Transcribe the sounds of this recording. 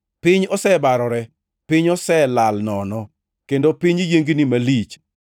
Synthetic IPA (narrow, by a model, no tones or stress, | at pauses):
pɪɲɔsɛbaɾɔɾɛ | pɪɲɔsɛlalnɔnɔ | kendopiɲijeŋɡinimalit͡ʃ